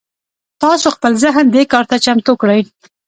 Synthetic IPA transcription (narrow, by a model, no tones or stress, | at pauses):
t̪ɑsoxpəlzəɦnd̪ekɑɾt̪at͡ʃamt̪okɽəj